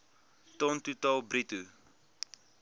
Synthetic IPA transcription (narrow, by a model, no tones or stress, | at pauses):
tɔntutɔlˠbɾitu